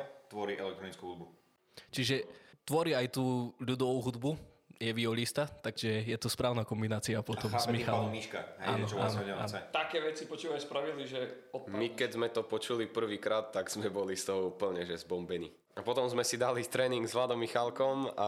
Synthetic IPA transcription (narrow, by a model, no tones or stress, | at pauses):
t̪ʋɔɾiʔɛ̰lɛkt̪ɾɔnit͡skuɦud̪bu | t͡ʃiʒɛt̪ʋɔɾiajt̪uːʎud̪ɔʋuɦud̪bu | jɛʋiɔʎist̪at̪aɡʒɛjɛt̪ɔspɾaːʊnakɔmbinaːt͡siapɔt̪ɔmmixaamiʃkaaːnɔaːnɲɛa̰nɛt̪akɛːʋɛt͡sipɔt͡ʃuːʋaɛspɾaʋiliʒɛɔmikɛzmɛt̪ɔpɔt͡ʃulipr̩ʋiːkɾaːt̪ːaɡz̥mɛbɔlist̪ɔʊpl̩ʊɲɛʒɛzbɔmbɛnḭː | apɔt̪ɔmzmɛsid̪alit̪ɾɛːniŋɡzʋlaːd̪ɔmːixalkɔma̰